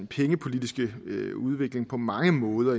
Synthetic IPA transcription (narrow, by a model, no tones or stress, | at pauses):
pʰeŋəpʰo̝lid̥isɡ̥əuð̞ˠʋe̝ɡ̥le̝ŋpʰɒ̽mɑ̈ŋəmɔ̽ːð̞ˠɐ